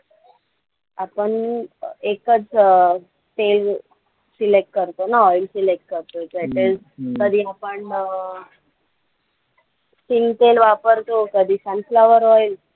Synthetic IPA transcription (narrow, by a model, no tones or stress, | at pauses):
apəɳ | ekət͡s | ʈel | silek̚ʈ̚kəɾt̪onaɔjlsilek̚ʈ̚kəɾt̪oekəʈel | kəd̪ʱiapəɳ | siŋɡʈelʋapəɾt̪okəd̪ʱisãnflaʋəɾɔjil